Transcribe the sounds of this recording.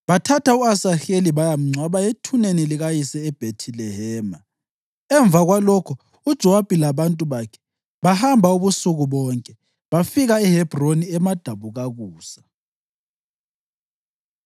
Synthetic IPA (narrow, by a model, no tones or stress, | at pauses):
βatʰatʰauasaxeliβajam̩ŋ͡ǀʱwaβajetʰuneniliɣajisɛɛb̥ʱetʰilɛɦɛːma | ɛɱbvaɣwalɔkʰɔ | ud̥ʒ̥ʱɔab̥ʱilaβantʼuβakʰɛ̥ | βahambʱauβusuɣuβɔːŋkʼɛ | βafiɣaɛhɛb̥ʱroniɛmad̥ʱaβuɣaɣuːsḁ